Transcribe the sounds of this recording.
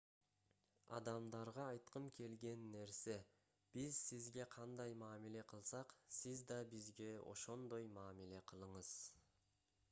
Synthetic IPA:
ɑ̰d̪ɑmd̪ɑɾʁɑːjt̪qəmkʲʰe̞lɡʲe̞nːe̞ɾse̞ | b̥izsizɡʲe̞qʰɑnd̪ɑjmɑːmile̞qʰəlˠsɑqsizd̪ɑbizɡʲe̞o̰ʃo̞nd̪o̞jmɑːmile̞qʰəlˠəɴəz̥

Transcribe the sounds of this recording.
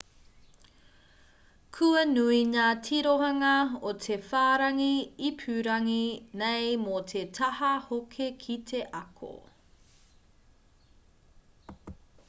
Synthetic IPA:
kʰʉɐnuinaːtʰiɾoɦɐŋɐotʰefaːɾɐŋiipʰʉɾɐŋinejmotʰetʰɐhɐhokʰekʰitʰeʔɐkʰo̰

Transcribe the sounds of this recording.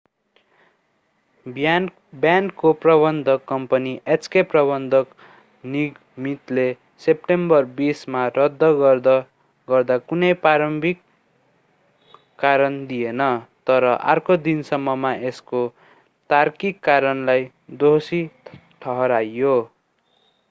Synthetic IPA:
bja | bjankːoprʌbʌnd̪ʱʌkːʌmpʌniʔet͡skeprʌbʌnd̪ʱʌk | niɡ | mit̪le | sep̚ʈembʌrbismarʌd̪ʱːʌd̪ | ɡʌrd̪akunʌjpaɾʌmbʱik | aɾʌnd̪ijenʌt̪ʌɾʌʔa̰rkod̪insʌmːʌmaʔesko | t̪arkikːaɾʌnlaj | d̪osi | ʈʰʌɦʌɾajːo

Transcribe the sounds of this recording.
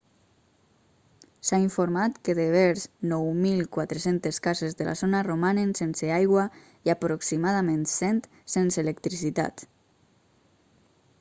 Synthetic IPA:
saiɱfoɾmat̪kəðeβɛɾznɔwmilˠkwat̪ɾesent̪eskazezðəlʔa̰zonaromanensenseajɣwa | iapɾoksimaðamẽnsɛnt̪ | senseelekt̪ɾisit̪a̰t̪

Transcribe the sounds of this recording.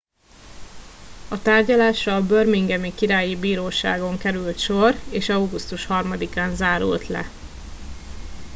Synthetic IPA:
ɒt̪aːrɟɒlaːʃɒbørmiŋɡɛmikiɾaːjibiːɾoːʃa̰ːɡo̞ŋkɛɾylt̪ʃo̞reːʃɒwɡust̪uʃhɒrmɒd̪ikaːnzaːɾṵlt̪lɛ̰

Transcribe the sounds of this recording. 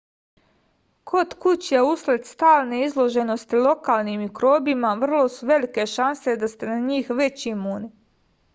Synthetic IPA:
kʰo̞t̪kut͡ɕjauslet̪st̪aːlneizlˠo̞ʒe̞no̞st̪ilˠo̞kaːlnimikɾo̞ːbimaʋr̩lˠo̞suʋe̞like̞ʃanse̞d̪ast̪e̞naɲiːxʋe̞t͡ɕimuːni

